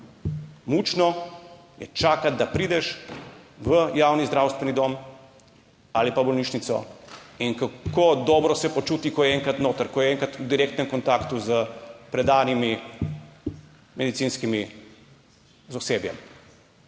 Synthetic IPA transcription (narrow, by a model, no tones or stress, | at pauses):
mut͡ʃnɔ | jɛ̰t͡ʃaːkad̪̚d̪apɾiːd̪ɛʃ | ʋəjaːwnizd̪ɾaːwst̪ʋɛnid̪om | alipabɔlniːʃnit̪sɔ̰iŋkakod̪ɔːbɾɔsɛpɔt͡ʃuːt̪ikɔjɛŋkat̪noːt̪əɾkɔjɛɛŋkat̪ud̪iɾeːkt̪nɛmkɔnt̪akt̪uzəpɾɛd̪aːnimi | mɛd̪it̪siːnskimi | zɔseːbjɛ̰m